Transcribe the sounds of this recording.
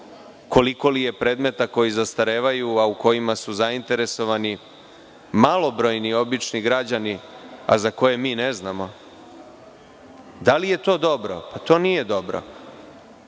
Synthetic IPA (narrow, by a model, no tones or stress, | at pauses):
kʰo̞liko̞lije̞pɾe̞ːd̪me̞t̪ako̞jizast̪aɾeːʋajuauko̞jimasuzaint̪e̞ɾe̞so̞ʋani | malˠo̞bɾo̞jnio̞bit͡ʃniɡɾad͡ʑania̰zako̞je̞miːneznamo̞ | d̪alije̞t̪o̞ːd̪o̞bɾo̰pat̪o̞ːnije̞d̪o̞bɾo̰